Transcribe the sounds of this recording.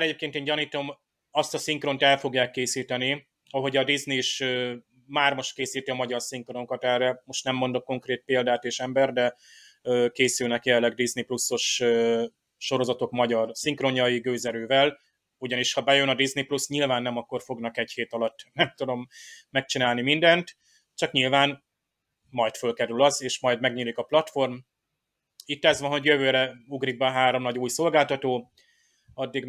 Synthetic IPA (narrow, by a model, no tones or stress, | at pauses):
aɾɛɟeːp̚keːnt̪eːɲɟɒniːt̪o̞m | ɒst̪ɒsiŋkro̞nt̪ɛlfo̞ɡjaːkːeːsiːt̪ɛni | ɒɦo̞ɟɒd̪izniːʃøː | maːrmo̞ʃt̪̚keːsiːt̪iɒmɒɟɒrsiŋkronoŋkɒt̪ɛrːɛmo̞ʃt̪nɛmːo̞nd̪o̞kko̞ŋkreːt̪̚peːld̪aːt̪eːʃɛmbɛrd̪ɛ | øːkeːsylnɛkjɛlːɛɡd̪izniplusːo̞ʃø | ʃo̞ɾo̞zɒt̪o̞kmɒɟɒrsiŋkro̞ɲɒjiɡøːzɛɾøːvɛl | uɟɒniʃhɒbɛjønɒd̪izniplusɲilvaːnːɛmɒkːo̞rfo̞ɡnɒkɛɟheːt̪ɒlɒt̪ːnɛmt̪ud̪o̞mːɛk̚t͡ʃinaːlnimind̪ɛnt̪ | t͡ʃɒkɲilvaːn | mɒjt̪følkɛɾylɒzeːʃmɒjd̪mɛɡɲilikɒplɒt̪fo̞rm | it̪ːɛzʋɒnɦo̞ɟjøvøːɾɛuɡriɡ̚bɛɦaːɾo̞mnɒɟuːjso̞lɡaːlt̪ɒt̪oː | ɒd̪ːiɡ